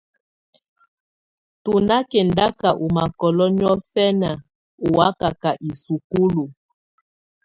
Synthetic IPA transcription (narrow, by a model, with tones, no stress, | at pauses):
tu˨na˦kɛ˨nda˦ka˨ʔu˨ma˨kɔ˨lɔ˦ni˦ɔ˦fɛ˦na˨ | u˨wa˦ka˨ka˨ʔi˨su˨ku˦lu˨